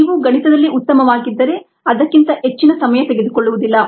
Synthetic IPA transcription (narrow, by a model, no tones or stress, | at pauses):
iːʋuɡɐnit̪ɐd̪ɐlːiut̪ːɐmɐʋaːɡid̪ːɐɾe̞ | ɐd̪ɐkːint̪ɐet͡ʃːinɐsɐmɐjɐt̪e̞ɡed̪ukoɭːuʋud̪ilːɐ